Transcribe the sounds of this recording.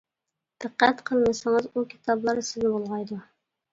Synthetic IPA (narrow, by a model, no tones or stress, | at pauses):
d̪̥ɨqːæt̪qʰəlˠmɪsɪŋɨzukʲʰi̥t̪ʰɑblˠɑɾsɪznbolˠʁɑjd̪u